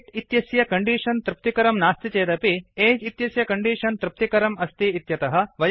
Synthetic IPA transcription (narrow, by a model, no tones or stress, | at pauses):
t̪it̪jɐsjɐkɐɳɖiːʂɐnt̪ɾɪp̚t̪ikɐɾɐmnaːst̪it͡ʃeːd̪ɐpieːd͡ʒit̪jɐsjɐkɐɳɖiːʂɐnt̪ɾɪp̚t̪ikɐɾɐmɐst̪iːt̪jɐt̪ɐɦɐ̆ʋɐj